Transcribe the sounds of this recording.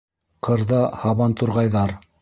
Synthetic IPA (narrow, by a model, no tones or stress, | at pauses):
qʰɤ̆ɾðɑhɑβɑnt̪uɾʁɑjðɑɾ